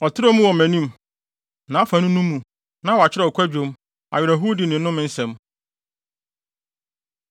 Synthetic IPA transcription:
ɔ˨tʰɪ˦ɾo˦mũ˦wɔ˨mæ̃˨nĩ˦m | nã˨˦a˦fã˨nũ˦nũ˦mːũ˨ | nã˦wɔ˨a˨t͡ɕʰɪ˦ɾɔ˨kʷʰæ˦d͡ʑᶣo˨˦m | a̰˨ɥɪ˨ɛ˨ɦu˦dɪ˨nɪ̃˨˦nʊ̃˦mɪ̃˦n̩˦sɛ̃˨m

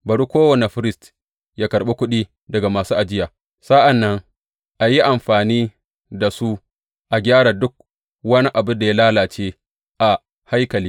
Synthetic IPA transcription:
bɐ˨ɽu˦kʷoː˦wɐ˨ne˨ɸɪ˦ɾɪ˦st | jaː˦kɐ˨ɾɓe˦kʷʊ˦ɗiː˦ | dɐ˨ɡa˨maː˨suː˦ʔa˨d͡ʒɪ˦jaː˨ | sa˦ʔa˨nːɐ˦ŋ | ʔa˨ji˦ʔa˨mɸaː˨niː˦ | da˨su˦ | ʔa˨ɡʲaː˦ɽa˨dʊ˦k̚ | wɐ˦ni˦ʔa˨bʊ˦nda˨ja˦laː˦laː˨t͡ʃeː˦ | ʔa˨ | ha˦jkɐ˨liː˦

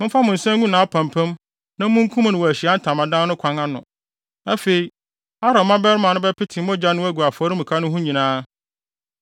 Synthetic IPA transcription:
mɪ̃˦fa˦mʊ̃˨n̩˨sɛ̃˦ŋũ˦nãː˨˦a˦pʰã˨mpʰæ̃˦m | nã˦mʊ̃˦ŋ˦kʰũ˦m̃˨nʊ̃˨wɔ˨æ˨ɕi˨a˦n̩˦tʰã˨mã˨dã˦nʊ̃˦kʷʰã˨ŋã˦nʊ̰̃˨ | æ˦fe˨i˨ | a˦ɾɔ˨mã˦bɛ˦ɾmã˨nʊ̃˦bɛ˦pʰɪ˦tʰɪ˨˦ɔ̃˦d͡ʑa˦nʊ̃˦æ˦ɡu˨a˨fɔ˨˦ɾi˦mũ˨kʰa˦nʊ̃˦ɦũ˦ɲĩ˨nãː˦

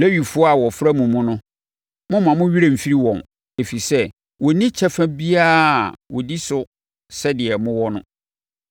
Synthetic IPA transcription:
lɛ˦ɥi˨fʊ˦ɔ˦a˨wɔ˨fɾa˦mũ˨mʊ̃˦nʊ̃˦ | mʊ̃˦mã˨mʊ̃˦ɥi˦ɾe˨m̩˨fi˦ɾi˦wɔ̃˨n | e˨fi˨sɛ˦ | wɔ˨nĩ˦t͡ɕʰɛ˦fæ̃˦bi˦a˦˨wɔ˨di˦sʊ˦ | sɛ˦dɪ˨ɛ˨mʊ̃˦wɔ˦nʊ̰̃˦

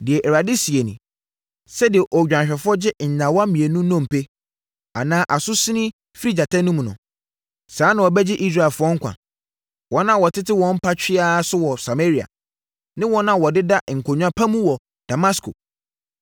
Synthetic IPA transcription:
dɪ˨ɛ˨ʔɛ˨ɾa˨di˦si˨e˨nḭ̃˨ | sɛ˦dɪ˨ɛ˨ʔo˨d͡ʑᶣã˨ɕᶣɛ˨fʊ˦ɔ˦d͡ʑɪ˦n̩˨ɲã˨wɔ˦a˦mĩ˨e˨nũ˦nɔ̃˦m̩˨pe˦ | a˨nãː˦ʔa˨sʊ˦sĩ˦nɪ̃˦ | fɾi˦d͡ʑa˨tʰa˦nũ˦m̃˨nʊ̰̃˨ | saː˨˦nã˨wɔ˨bɛ˦d͡ʑɪ˦ʔi˦s̬ɾa˦˨ɛ˨lfʊ˦ɔ˦ŋ̩˦kʰʷã̰˨ | wɔ̃˨˦nã˦˨wɔ˨tʰɪ˦tɪ˦wɔ̃˨˦m̩˦pʰa˦t͡ɕᶣɪ˦a˦sʊ˦wɔ˨sa˨me˦ɾi˨a̰˨ | nɪ̃˦wɔ̃˦nã˦wɔ˨dɪ˦da˦ŋ̩˨kʰo˨ɲᶣ˦ã˦pʰã˦mũ˦wɔ˨ | d̥a˨ma˦skʰo̰˨

